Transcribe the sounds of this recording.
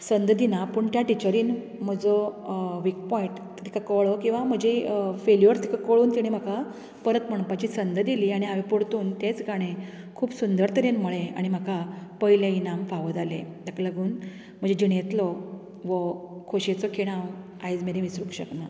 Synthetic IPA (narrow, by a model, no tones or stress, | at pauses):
sənd̪əd̪inapəɳt̪jaʈit͡ɕəɾiːn | m̤əd͡zɔʋik̚pɔiʈt̪t̪ʰi̥kakəɭɔkĩw̃ʋam̤əd͡ʑefeljʋəɾst̪ʰi̥kakəɭuːnt̪iɽ̃em̤əkʰa | pəɾət̪m̤əɳ̃pat͡ɕiːsənd̪d̪iliːaɽ̃iɦaʋipoɽt̪uːnt̪jet͡sɡaɽ̃e | kʰuːbsund̪əɾt̪ʰəɾenmuɭea̰ɽ̃im̤akʰapəiljeinamfaʋəd͡z̪alḛt̪jakaləɡuːn | m̤əd͡ʑed͡ʑiɽjet̪lɔ | ʋɔkʰoɕet͡sɔkʰeɽ̃aʋ | ajd͡zmeɾẽʋisɾukɕəkna